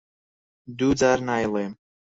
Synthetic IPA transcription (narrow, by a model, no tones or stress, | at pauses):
d̪uzaɾnajlˠem